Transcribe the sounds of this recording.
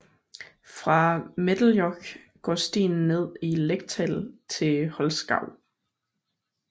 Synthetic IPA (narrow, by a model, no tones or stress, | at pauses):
fʁɑ̈med̥l̩jɒɡ̥ | ɡ̥ɒ̰ːsd̥ḭːn̩ːe̝ð̞̰ˠileɡ̥̚t͡sʰɛlt͡sʰe̝hɒ̽lsɡ̥ɑ̈ʊ̰